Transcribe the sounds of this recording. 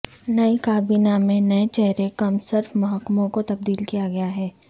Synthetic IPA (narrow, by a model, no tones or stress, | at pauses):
nɐikaːbiːnamẽnɐet͡ʃɛɦɾekɐmsɪɾfmɐɦəkmõkot̪ɐb̚d̪iːlkijaɡɐjaɦɛː